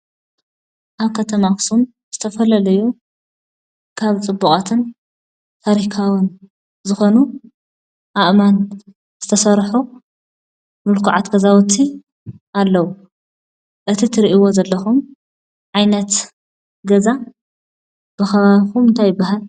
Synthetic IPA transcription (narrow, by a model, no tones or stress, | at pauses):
ʔaβkʰɐt̪ʰɐmaksum | z̥ɨt̪ʰɐfɐlɐlɐju | kʰaβt͡sʼɨbːukʼat̪ʰɨn | t̪ʰaɾikʰawɨn | zɨxo̞nu | ʔaʔman | z̥ɨt̪ʰɐsɐɾħu | mɨlkʰuʕat̪ɡɐzawt̪ʰi | ʔalːɐwu | ʔɨt̪ʰit̪ʰɨɾiʔiwo̞zɐlːɐxum | ʕajnɐt̪ | ɡɐza | b̥ɨxɐβaβxumɨnt̪ʰajɪbːaɦal